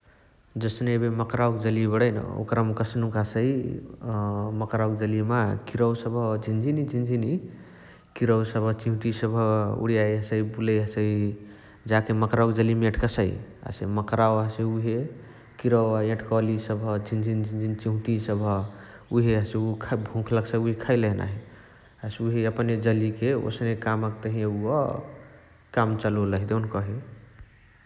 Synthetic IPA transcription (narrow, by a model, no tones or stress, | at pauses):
d͡ʒəsnebeməkɾawkd͡ʒəlibəɽəjn̰o̰kɾamkəsnukasəi | məkɾawkd͡ʒəlimakiɾəwsəbʱəd͡ʒʱind͡ʒʱinid͡ʒʱind͡ʒʱini | kiɾəwsəbʱət͡ʃiɦũʈisəbʱəṵɽijajɦəsəibuleɦəsəi | d͡ʒakeməkɾawkd͡ʒəlimẽʈʰkəsəia̰seməkɾawəseuɦe | kiɾəwaẽʈʰkɔlisəbʱəd͡ʒʱind͡ʒʱind͡ʒʱind͡ʒʱint͡ʃiɦũʈ̪isəbʱə | uɦeəseukʰbʱũkʰləksəjuɦikʰaɪlena̰ɦi | əsuɦeəpned͡ʒəlikeo̰snekaməkt̪əɦĩeuɔ̰ | kamt͡ʃəloləɦid̪enkɔɦi